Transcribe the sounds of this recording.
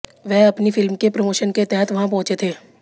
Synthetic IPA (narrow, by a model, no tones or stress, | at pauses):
ʋɛːɐpnifɪlmkepɾomoːʃənket̪ɛɦɛt̪ʋɐɦãp̬ɔ̃ɦʊ̃t͡ʃet̪ʰeː